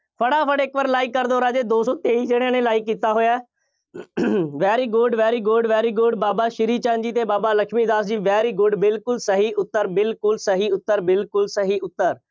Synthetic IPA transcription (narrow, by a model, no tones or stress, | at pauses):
pʰəɽaːpʰəɽeːkʋəɾlaːɪkːəɾd̪oːɾaːd͡ʒeːd̪oːsɔːt̪eːiːd͡ʒeːɽ̃ãːnẽːlaːɪkːiːt̪aːɦoːjaːɛː | ʋɛːɾiːɡʊɖʋɛːɾiːɡʊɖʋɛːɾiːɡʊɖbaːbaːʃɪɾiːt͡ʃãːnd͡ʒiːt̪eːbaːbaːləkʃmiːd̪aːsd͡ʒiːʋɛːɾiːɡʊɖbɪlkʊlsəɦiːʔʊt̪ːəɾbɪlkʊlsəɦiːʊt̪ːəɾbɪlkʊlsəɦiːʊt̪ːəɾ